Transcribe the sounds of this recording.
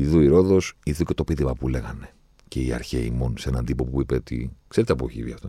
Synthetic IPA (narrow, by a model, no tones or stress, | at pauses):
iðuiɾo̞ðo̞siðuce̞t̪o̞piðimɐpule̞ɣɐne̞ | ce̞iɐ̰ɾçe̞̰ḭmo̞nseenɐnd̪ipo̞puipeot̪ḭkse̞ɾet̪eɐpoçḭviɐft̪o